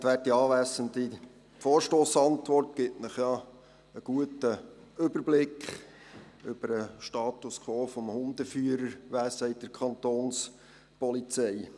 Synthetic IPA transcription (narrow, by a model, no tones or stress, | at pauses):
tʋæːt̚iɑːʋæːsənd̪i | foːɾʃtoːsɑnt̪ʋɔrtɡ̥ɪtnəχjɑ | əɡ̥uətə | ʏbəɾblɪkχ | ʏb̥əɾəʃtɑːtuskʰoːfɔmhʊnd̥̪əfyəɾəɾʋæːsəɪd̥əɾkʰɑnt̪oːns | pɔlit͡sɛɪ